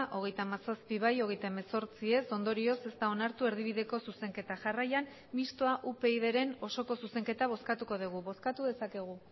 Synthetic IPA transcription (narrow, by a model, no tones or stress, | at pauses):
ʔo̞ɣ̞e̞jt̪amasaspiβ̞ajo̞ɣ̞e̞jt̪aemeso̞ɾt͡sie̞so̞nd̪o̞ɾio̞se̞st̪ao̞naɾt̪ue̞ɾðiβ̞iðe̞ko̞suse̞ŋke̞t̪aʝarajan | mist̪o̞aʔupe̞ið̞e̞ɾe̞no̞so̞ko̞suse̞ŋke̞t̪aβ̞o̞skat̪uko̞ð̞iɣ̞uβo̞skat̪uðe̞sake̞ɣ̞u